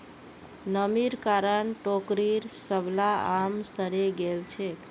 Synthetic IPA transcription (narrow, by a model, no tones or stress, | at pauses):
nəmiɾkaɾənʈokɾiɾsəblaamsəɾeɡelt͡ʃʰek